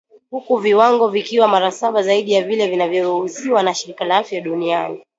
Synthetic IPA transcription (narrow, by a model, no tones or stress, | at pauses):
hukuviwaŋɡɔvikiwamaɾasaɓazaiɗijavilɛvinavjɔɾuhusiwanaʃiɾikalaafjaɗuniani